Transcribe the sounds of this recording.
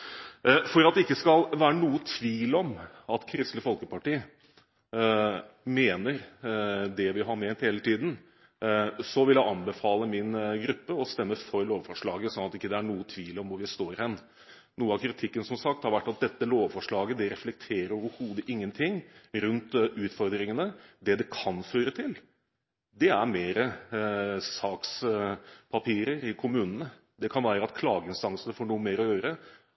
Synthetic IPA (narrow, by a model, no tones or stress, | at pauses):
fɔɾɑt̪̚d̪ɛɪkːəskɑlʋæːɾənuːət̪ʰʋiːlɔm | ɑt̪kʰɾɪst̪ləfɔlkəpɑʈiː | meːnəɾ | d̪ɛʋɪɦɑɾmɛnt̪heːlət̪ʰiːd̪n̩ | sɔʋɪljæɪʔɑnbəfɑːləmɪnɡɾʉpːəɔst̪ɛmːəfɔɾloːʋfɔʂɭɑːɡəsɔnɑt̪ɪkːəd̪ɛæɳuːət̪ʰʋiːlɔmʋʊɾʋɪst̪oːɾhɛnː | nuːəɑkʰɾɪt̪ʰɪkːənsɔmsɑk̚t̪hɑɾʋæʈːɑt̪̚d̪ɛt̪ːəloːʋfɔʂɭɑːɡəd̪ɛɾɛflɛk̚t̪ʰeːɾəɾoːʋəɾhuːd̪əʔɪŋːənt̪ʰɪŋːɾʉnt̪ʉːt̪fɔɾd̪ɾɪŋənəd̪ɛd̪ɛkʰɑnføːɾət̪ʰɪl | d̪ɛæɾmeːɾə | sɑːks | pʰɑpʰiːɾəɾɪkʰʊmʉːnənə | d̪ɛkʰɑnʋæːɾəɑt̪̚kʰlɑːɡəɪnst̪ɑŋsənəfoːɳuːəmeːɾɔjøːɾə